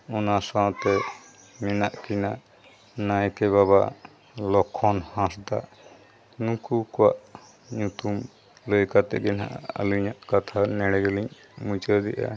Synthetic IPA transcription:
ɔnasaw̃t̪ɛ | mɛnaʔkinaʔ | najkɛβaβa | lɔkʰːɔnhãsd̪aʔ | nũkukɔwaʔ | ɲut̪um | ləjkat̪ɛ̰ɡɛnɦa̰ʔə̰liɲaʔkat̪ʰanɛɽɛɡəliɲ | mũt͡ʃəd̪ɛ̰ʔa̰

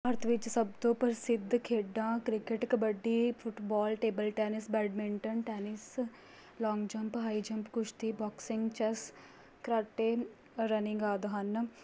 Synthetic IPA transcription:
ɐɾt̪ʰʋɪt͡ʃsəb̚t̪õːpəɾsɪd̪kʰeːɖãːkɾɪkəʈkəbəɖiːpʰʊʈbɔːlʈeːbəlʈɛːnɪsbɛːɖmɪɳʈənʈɛːnɪs | lɔːŋɡd͡ʒəmpɦaːiːd͡ʒəmpkʊʃt̪iːbɔːksɪŋɡt͡ʃɛs | kɾaːʈeː | ɾənɪ̃ŋɡaːd̪ɦan

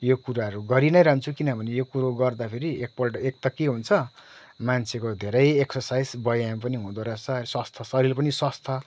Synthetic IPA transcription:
jokuɾaɦʌɾuɡʌɾinʌjɾʌɦnt͡sʰukinʌbʱʌnejokuɾoɡʌrd̪apʰeɾiek̚pʌʈek̚t̪ʌkeɦũnt͡sʰʌ | mant͡sʰekod̪ʱeɾʌjeksʌrsajd͡zbʌjampʌniɦũd̪oɾʌsʌswʌst̪ʰʌsʌɾilepʌniswʌst̪ʰʌ

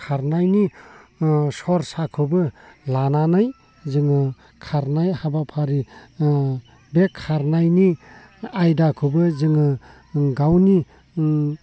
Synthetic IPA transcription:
kʰaɾnajni | sɔɾsakʰɯbɯlananaj | zɯŋɯ | kʰaɾnajhabapʰaɾi | bekʰːaɾnajni | ajdakʰɯbɯzɯŋɯ | ɡawni

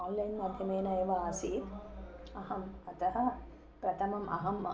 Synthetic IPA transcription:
aːnlɐjnmɐd̪ʱjɐmeːnɐjɐʋaaːsiːt̪ɐɦɐmɐt̪ɐɦɐ | pɾɐt̪ʰɐmɐmʔɐ̰ɦɐm

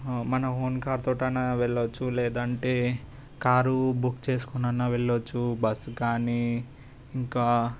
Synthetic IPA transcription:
mɐnɐɦoːnkaːɾt̪oːʈɐnaːʋeɭːɐt͡ʃːulɛːd̪ɐɳʈeː | kaːɾubukːt͡ʃe̞ːsu̥kunɐnːaːʋeɭːɐt͡ʃːubɐskaːniː | ŋkaː

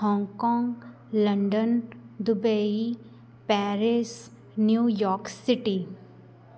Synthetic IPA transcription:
hɔ̃ːŋɡkɔ̃ːŋɡ | lɐɳɖənd̪ʊbei | pɛːɾɪs | njuːjɔːɾksɪʈi

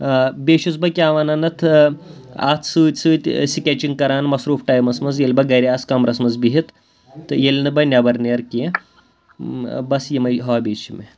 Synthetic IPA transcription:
beɕut͡sbɐkʲiaʋananɐt̪ʰ | a̰t̪ʰsɨt̪ʲsɨːt̪ʲsikʲet͡ɕiŋɡkɐɾaːnmɐsɾuːfʈajmɐsmɐd͡zjelʲbɐɡɐjɾiat͡skamɾasmɐd͡zbiɦit̪ | jelʲnɨbɐjnʲjabɐɾnejɐɾkʲi | bɐsjemɐjɦɔabeːɕimḛ

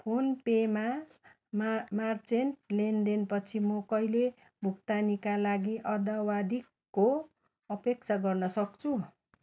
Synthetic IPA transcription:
pʰonpema | mmart͡senlend̪enpʌt͡sʰimʌkʌile | bʱukt̪anikalaɡiʔʌd̪awad̪ikːo | ʌpek̚t͡sʰaɡʌrnʌsʌkt͡sʰu

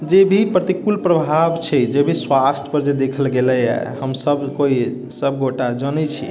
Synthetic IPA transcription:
d͡ʒebʱipɾət̪ikulpɾəbʱabt͡ʃʰɛd͡ʒebʱiswast̪ʰjəpəɾd͡ʒed̪ekʰəlɡelɛɛ̰həmsəbʱkoi | səb̚ʱɡoʈad͡ʒənɛt͡ʃʰḭ

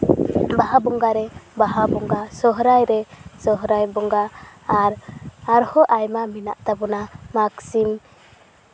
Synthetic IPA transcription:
baɦabɔŋɡaɾɛbaɦabɔŋɡasɔɦɾajɾɛsɔɦɾajbɔŋɡaːɾaɾhɔʔajmamina̰ʔt̪abɔnamaksim

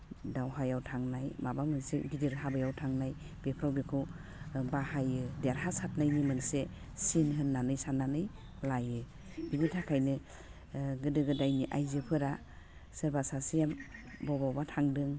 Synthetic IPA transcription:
dawɦajawtʰaŋnajmabamɯnsḛɡidiɾɦabɯjawtʰaŋnaj | b̥epʰɾawbekʰɯw | bahajɯdeaɾɦasat̚najnimɯnse | sinɦɯnːanɯjsanːanɯj | lajɯ | binitʰakʰajnɯ | ɡɯdɯɡɯdajniʔajzɯpʰɯɾa | sɯɾbasasijambɔbawbatʰaŋdɯŋ

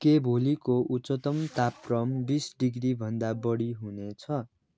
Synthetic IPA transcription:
kebʱolikoʔut͡sʌt̪ʌmt̪aprʌmbisɖiɡribʱʌnd̪abʌɽiɦunet͡sʰʌ

